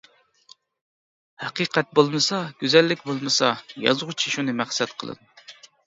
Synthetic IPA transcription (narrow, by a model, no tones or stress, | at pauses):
hɑqiqɛt̪̚bolˠmɨsɑɡ̥ʲyzɛlːɪkʲbolˠmɨsɑjɑ̰zʁut͡ʃʰiʃunɨmæχsɛt̪qʰə̰lˠɨ̰d̪u